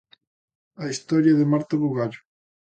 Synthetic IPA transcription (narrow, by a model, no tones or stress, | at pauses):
ɐist̪ɔɾjɐðemaɾt̪oβuɣaʎʊ